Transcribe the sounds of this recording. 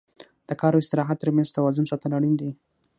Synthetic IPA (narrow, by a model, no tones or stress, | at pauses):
d̪̥əkɑɾoɪst̪ɪɾɑɦat̪ːəɾmanzt̪awɑzʊnsɑt̪alaɽind̪i